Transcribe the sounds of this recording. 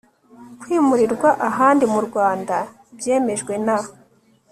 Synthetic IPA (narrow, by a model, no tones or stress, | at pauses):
kwiːmuɾiɾɡwaʔaɦaːndimuɾɡwaːnda | bje̞ːme̞ʒɡwe̞naho